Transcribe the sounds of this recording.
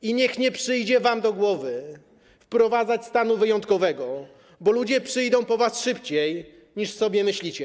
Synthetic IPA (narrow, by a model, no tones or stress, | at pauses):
iɲɛxɲɛpʂɘjd͡ʑɛvamd̪ɔɡwɔvɘ | fpɾɔvad̪zat͡ɕst̪anuvɘjɔnt̪kɔvɛɡɔ | bɔlud͡ʑɛpʂɘjd̪ɔ̃w̃pɔvasʂɘpt͡ɕej | ɲiʂsɔbʲjɛmɘɕlʲit͡ɕɛ